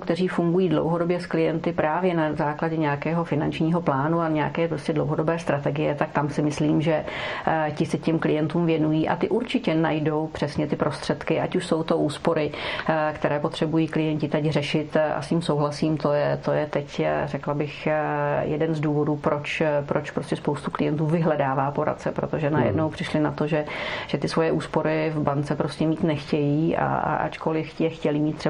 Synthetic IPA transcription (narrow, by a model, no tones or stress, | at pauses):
kt̪ɛriːfuŋɡujiːdlo̰wɦo̞dobjɛsklɪjɛnt̪ɪpɾʔaːvjɛnazaːklaɟɛɲɛakɛːɦo̞fɪnant͡ʃɲiːɦo̞plaːnuaɲɛja̰kɛːpɾoscɛdlowɦodo̞bɛːst̪ɾat̪ɛɡɪjɛt̪ak̚t̪amsɪmɪsliːmʒɛ | cɪsɛcɛmklɪjɛnt̪uːmvjɛnujiːʔa̰t̪ɪʔuɾt͡ʃɪcɛnajdo̞wpr̝̥ɛsɲɛt̪ɪpɾo̞st̪r̝̥ɛt̪kɪʔacuʃso̞wt̪o̞ʔuːspo̞ɾɪkt̪ɛɾɛːpo̞t̪r̝̥ɛbujiːklɪjɛɲcɪt̪ɛcrɛʃɪt̪ʔa̰sciːmso̞wɦlasiːmt̪ojɛt̪ojɛt̪ɛcrɛklabɪxjɛdɛnzduːvo̞duːpɾo̞t͡ʃpɾot͡ʃpɾo̞scɛspowst̪uklɪjɛnt̪uːvɪɦlɛdaːvaːpo̞ɾa̰t̪̚t͡sɛpɾot̪oʒɛnajɛ̰dno̞wpr̥ɪʃlɪnat̪o̞ʒɛʒ̥ɛt̪ɪsvo̞jɛʔuːspo̞ɾɪvbant͡sɛpɾo̞scɛmiːt̪nɛxcɛjiːʔa̰a̰ʔa̰t͡ʃko̞lɪfcjɛxcɛlɪmiːt̪ːrɛ